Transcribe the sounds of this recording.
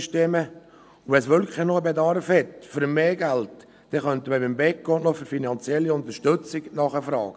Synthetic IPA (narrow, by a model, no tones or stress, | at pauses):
ʃteːmə | ʊvɛsʋʏlkχənoəbed̪ɑɾfhɛt̪føɾəmeːɡælt | d̥ɛχœnt̪əməbɪmbɛkɡ̥ɔnɔfyɾfinɑnt͡sjɛlːiʊnt̪əɾʃtɵt͡sɪɡnɑχəfɾɑ̰ːɡ̥